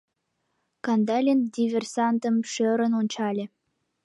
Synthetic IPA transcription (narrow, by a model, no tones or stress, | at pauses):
kɑnd̪ɑlʲend̪ʲivʲersɑnt̪ə̆mʃøɾə̆nonʲt͡ɕɑlʲĕ